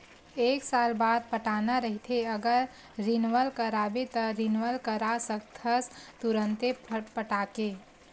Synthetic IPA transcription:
eːksalbaːd̪̚pəʈanaɾəɦit̪ʰeəɡəɾ | ɾinʋəlkəɾabet̪ɔɾinʋəlkəɾasəkt̪ʰəst̪uɾənt̪epəʈake

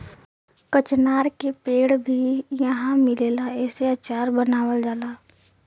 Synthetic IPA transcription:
kət͡ʃnaːɾkepeːɽbʱijəɦãmɪleːlaɛːseət͡ʃaːɾbənaːwəld͡ʒaːlaː

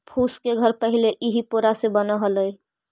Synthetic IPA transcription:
pʰuskeɡʱəɾpəɦileʔiɦipoɾasebənəɦələj

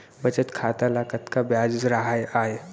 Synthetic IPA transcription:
bət͡ʃət̪kʰat̪alakət̪kabjad͡ʒɾəɦajaːe

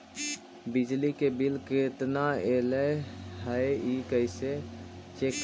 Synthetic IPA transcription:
bɪd͡ʒlikebɪlket̪naeːleɦaikəɪset͡ʃek

